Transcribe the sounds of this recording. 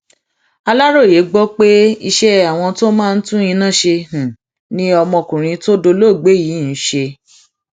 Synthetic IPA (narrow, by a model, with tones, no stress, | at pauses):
a˧la˦ɾo˦˨je˨˦ɡ͡bɔ˦k͡pe˦i˧ʃɛ˦a˨w̃ɔ̃˧to˦mãː˦˧n̩˦tũ˦ĩ˧nã˦˨ʃe˧h̩˨ | nĩ˦ɔ˧mɔ̃˧kũ˨ɾ̃ĩ˧to˦do˧lo˦˨ɡ͡be˨˦jiː˨˦n̩˨˦ʃe˧